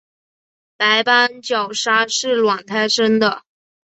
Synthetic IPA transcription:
pa˧˥ɪpa˥nt͡ɕjɑ˨˩ʊʂa˥ʂɻ̩˥˩lwɑ˨˩ŋt̪ʰa˥ɪʂə˥nd̪ə˨

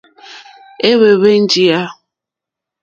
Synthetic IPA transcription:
e˦βe˨βe˦n̩˦d͡ʒi˦a˦

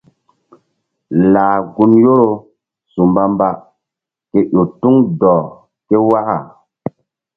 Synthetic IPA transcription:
laː˨ɡu˦njo˦ɾo˨ | su˨mba˦mba˦˨ | ke˨˦ʔo˨tu˦ŋdɔː˨ | ke˦wa˦ha˨

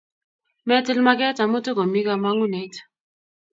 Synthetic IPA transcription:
mɛ˦tɛ˦lma˦k̬ɛ˦ta˨mu˦tu˦ko˨mi˦ka˦ma˦ŋu˦ne˨˦t

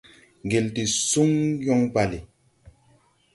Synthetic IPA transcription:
ɡe˨lti˨su˦ŋjɔ˦ŋba˨li˨

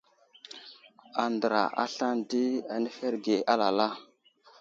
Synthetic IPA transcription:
a˨ndə˨ɾa̰˨ʔa̰˦ɬa˦ndi˦a˨ne˦fe˦ɾɡe˨ʔa˦la˨la˦

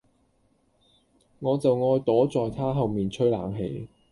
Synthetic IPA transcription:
ŋɔː˨˧t͡sɐ˨wŋɔː˧jt̪ɔː˨˥t͡sɔː˨jt̪ʰaː˥ɦɐ˨wmiː˨nt͡ʃʰɵ˥jlaː˨˥ŋɦe˨˥j

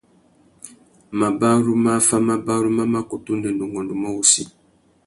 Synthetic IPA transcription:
ma˨ba˦ɾu˦ma˦fa˦ma˦ba˦ɾu˦ma˦ma˦ko˨tu˦ndə˨n˨du˨ŋɡɔ˨ndu˨ma˦wu˦si˦

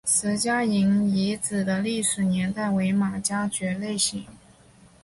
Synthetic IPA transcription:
sɹ̩˧˥t͡ɕja˥i˧˥ŋi˧˥t͡sɹ̩˨˩d̪ə˦li˥˩ʂɻ̩˨˩njɛ˧˥nt̪a˥˩ɪwe˧˥ɪma˨˩t͡ɕja˥t͡ɕɥɛ˧˥le˥˩ɪɕi˧˥ŋ

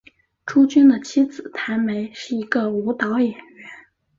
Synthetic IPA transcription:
ʈ͡ʂʰu˥t͡ɕy˥nd̪ə˨t͡ɕʰi˥t͡sɹ̩˨˩t̪ʰa˧˥nme˧˥ɪʂɻ̩˥˩i˧˥ɡə˧u˧˥t̪ɑ˧˥ʊjɛ˨˩nɥɛ˧˥n

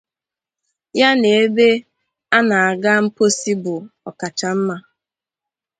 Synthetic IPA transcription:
ja˦ne˨e˦be˦ | a˦na˨a˨ɡa˦m̩˦po˦si˦bʊ˨ɔ˨ka˨t͡ʃa˨m̩˦ma˦

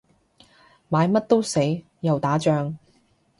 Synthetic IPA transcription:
maː˨˧˥jmɐ˥t̚t̪o˥wse˨˥j | jɐ˨wt̪aː˨˥t͡ʃœː˧ŋ

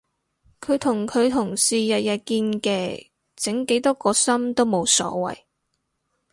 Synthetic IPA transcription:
kʰɵ˨˧ɥt̪ʰʊ˨˩ŋkʰɵ˨˧ɥt̪ʰʊ˨˩ŋsiː˨˩jɐ˨t̚jɐ˨t̚kiː˧nkɛː˧ | t͡sɪ˨˥ŋke˨˥jt̪ɔː˥kɔː˧sɐ˥mt̪o˥wmo˨˧wsɔ̰ː˨˧˥wɐ̰˨j

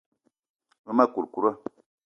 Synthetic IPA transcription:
ma˦ma˦ku˨ɾku˦ɾa˦

